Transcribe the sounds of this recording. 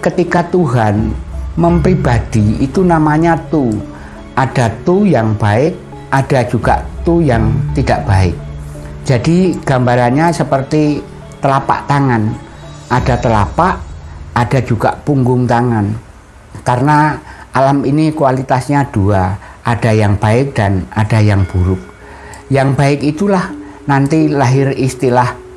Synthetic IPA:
kət̪ikat̪uɦanməmpɾib̥ad̥iit̪unamaɲat̪u | ʔad̥at̪ujaŋb̥aɪk̚ | ad̥ad͡ʒuɡ̥aʔt̪ujaŋt̪id̥aʔb̥aɪ̰k̚d͡ʒ̥adiɡ̥ambaɾanɲasəpərt̪i | t̪əlapa̰ʔt̪aŋan | ʔad̥at̪əlapaʔad̥a̤d͡ʒuɡ̥a̰ʔpuŋɡʊŋt̪aŋan | karnaʔalaminikwalit̪asɲad̥ua | ʔad̥ajaŋb̥aɪk̚d̥anad̥ajaŋb̥uɾʊk̚ | jaŋb̥aɪkit̪ulah | nant̪ilaɦɪrist̪ilah

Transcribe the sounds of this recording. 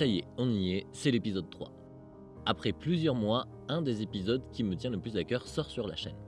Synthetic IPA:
sajeɔ̃nijesɛlepizɔd̪̚t̪χwa̰ | apχɛplyzjœʁmwa | ɛ̃d̪ezepizɔd̪kʲimət̪jɛ̃ləplyzakʲœʁsɔʁsyʁla̰ʃɛ̰n

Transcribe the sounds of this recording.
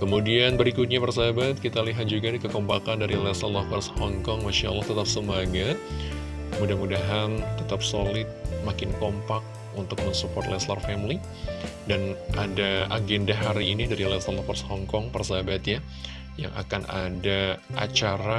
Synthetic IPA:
kəmudianbəɾikʊt̪̚ɲapərsaɦabat̪̚kit̪aliɦat̪̚d͡ʒuɡadikəkɔmpakandaɾilɛsalɔhkɔrshɔŋkɔŋmaʃaʔlːɑht̪ət̪ap̚səmaɡat̪̚ | mudahmudaɦant̪ət̪ap̚solɪt̪̚makɪnkɔmpak̚ | unt̪ʊk̚məŋsupɔrt̪lɛslarfɛmli | danʔadaa̰ɡɛndaɦaɾiːnidaɾilɛsalɔfɔrshɔŋkɔŋpərsaabat̪ja | ja̰ŋa̰kanʔa̰daʔa̰t͡ʃaɾa

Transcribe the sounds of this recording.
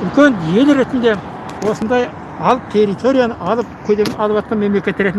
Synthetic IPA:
ʏlkʲe̞nd̪ije̞lɾe̞t̪ɪnd̪e̞ | wo̞sənd̪ɑj | ɑlˠt̪ʰe̞rit̪ʰo̞ɾijanəʔɑlˠəp̚kʲʰɵd̪eɪnɑlˠəpɑt̪̚qɑnmemle̞kʲe̞t̪ːɪɾe̞t̪ɪn

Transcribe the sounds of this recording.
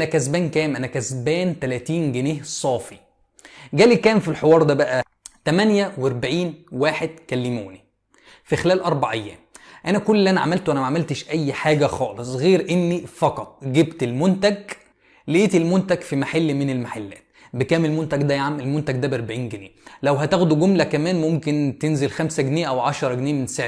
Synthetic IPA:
ænækæzbæːnkæːmʔænækæzbæːnt̪ælæːt̪iːnɡeneːhsˤɑːfi | ɡæːlikæːmfilħewɑːɾˤd̪æbæʔæ | t̪æmænjæweɾˤbaʕiːnwaːħed̪̚kælːemuːni | fixelæːlʔɑɾˤbaʕʔejːæ̰ːmʔænækolːʔænæʕa̰mælt̪wʔænæmæʕamælt̪eʃʔæjːħaːɡæxɑːlesˤɣeːɾʔenːifɑqɑt̪ˤɡebt̪elmont̪æɡ | leʔeːt̪elmont̪æɡfimaħalːmenelmaħalːæ̰ːt̪̚ | bekæːmelmont̪æɡd̪æjaʕamelmont̪æɡ̚d̪æbeɾbaʕiːnɡenḛːlæwɦæt̪æxd̪uɡomlækæmæːnmomkent̪enzelxæmsæɡneːjʔæwʕaʃɑɾˤɑɡneːjmensaʕ

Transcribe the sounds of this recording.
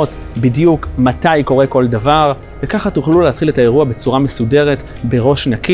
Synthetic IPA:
ot | bidjukmatajko̞ʁe̞ko̞ldavaʁ | ve̞kaχatuχlulehatχiletae̞ʁuabe̞t͡suʁame̞sude̞ʁe̞t | be̞ʁo̞ʃnaki

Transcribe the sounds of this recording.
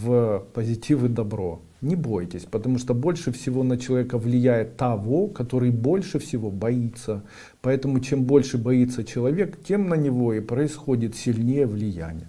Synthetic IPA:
vəpəzʲɪtʲivɨd̪ɐbɾo̞̰ | nʲɪbo̞jtʲɪsʲpət̪ɐmuʂt̪obo̞lʲʂɨfsʲɪvo̞nət͡ɕɪlˠɐvʲekəvlʲɪjæjɪt̪ːɐvo̞kɐt̪o̞ɾɨjbo̞lʲʂɨfsʲɪvo̞bɐit̪sːə | pɐɛt̪əmʊt͡ɕe̞mbo̞lʲʂɨbɐit̪sːət͡ɕɪlˠɐvʲe̞ktʲe̞mnənʲɪvo̞ipɾəɪsxo̞dʲɪt̪sʲɪlʲnʲejəvlʲɪjæ̰nʲɪ̰jə

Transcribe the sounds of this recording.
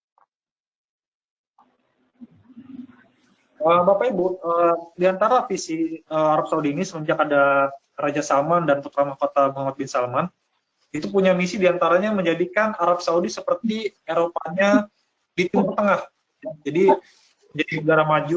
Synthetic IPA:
əːbapaibuədiant̪aɾafisiəaɾap̚saudiːnisəməɲd͡ʒakada | rad͡ʒasalmandanput̪ɾamakot̪amuɦamat̪̚bɪnsalman | it̪up̬uɲamisidiant̪aɾaɲaməɲd͡ʒadikanaɾap̚saudisəpərt̪ieɾopaɲa | dit̪umurt̪əŋah | jad͡ʒadi | məɲd͡ʒadinəɡaɾamad͡ʒu

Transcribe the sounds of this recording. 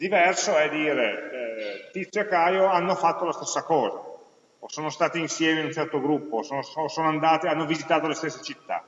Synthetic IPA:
d̪ivɛrsoɛd̪iːɾe | t̪it̪sekajoanːofat̪ːolast̪e̥sːakɔːza̰ | osoːnost̪aːt̪iinsjɛːmeinunt͡ʃɛrt̪oɡɾupːosoːnososoːnoand̪aːt̪eanːovizit̪aːt̪olest̪esːet͡ʃit̪ːa̰

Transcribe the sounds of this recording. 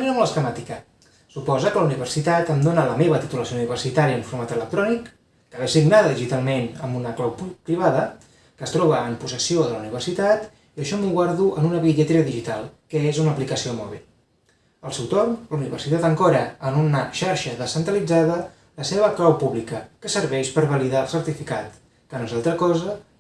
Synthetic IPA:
niəmləskəmat̪ikə | supɔzəkələuniβ̞ərsit̪at̪əmd̪onələmeβət̪it̪uləsiouniβ̞ərsit̪aɾiəuɱfuɾmat̪ələk̚t̪ɾɔnikː | əβɛsiɡnaðəðiʒit̪alˠmenə̰mbunəklawpupɾiβ̞aðə | kəst̪ɾɔβəːmpusəsioðələuniβ̞ərsit̪at̪ | iəʃɔmuɣwaɾðuʔənunəβiʎət̪ɾeəðiʒit̪alˠkəezunəːplikəsiomɔ̰β̞ḭlˠ | əlˠsɛwt̪ornləuniβə̰rsit̪at̪əŋkɔɾəənunəʃaɾʃəðəsənt̪ɾəlid͡zaðə | ləseβ̞əklawpuβlikəkəsəɾβɛʃpəɾβəliðaəlˠsəɾt̪ifikat̪ | kənoezalˠt̪ɾəkɔzə

